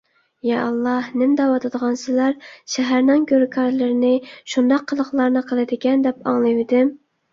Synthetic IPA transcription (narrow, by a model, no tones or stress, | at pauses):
jɑʔɑlˠːɑhnɪmd̪ɑwɑt̪ʰɨd̪əʁɑnsɨzlæɾʃɛɦæɾnɪŋɡʲøɾkʰɑɾlɨɾɪnɪʃund̪ɑqʰːəlˠəχlˠɑɾnɨqʰəlˠɨd̪ɪkʲɛnd̪ɛpɑ̰ŋlˠɨvɪd̪ɪm